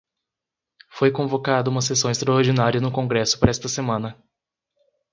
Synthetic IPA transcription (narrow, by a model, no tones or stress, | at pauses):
fojkõvokad̪ɐũmɐsesɐ̃w̃ɪst̪ɾɐoɾd͡ʒinaɾiɐnʊkõŋɡɾɛsʊ̥pɾɐɛst̪ɐsemɐ̃nɐ